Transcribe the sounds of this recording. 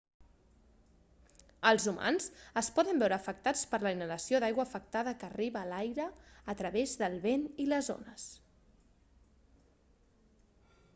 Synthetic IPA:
əlˠzuma̰nzəspɔðəmbɛwɾəːfək̚t̪at͡spəɾləinələsioðajɣwəːfək̚t̪aðəkəriβəːlajɾəːt̪ɾəβezðəlˠβeniləzo̰nəs

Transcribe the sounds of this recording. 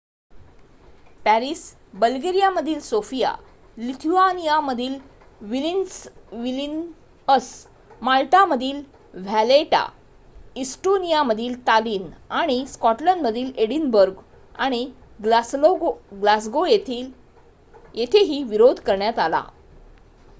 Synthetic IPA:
pæɾis | bəlɡeɾijaməd̪ʱiːlsofija̰ | lit̪ʰuanijaməd̪ʱiːl | ʋilinsʋilin | əs | malʈ̪aməd̪ʱiːl | ʋ̤æleʈa̰ | isʈonijaməd̪ʱiːlt̪aliːnaɽ̃iskɔʈləɳɖməd̪ʱiːleɽinbəɾɡ | aɽ̃i | ooɡlasɡojet̪ʰiːl | jet̪ʰeɦiːʋiɾod̪ʱkəɾɳjat̪ala̰

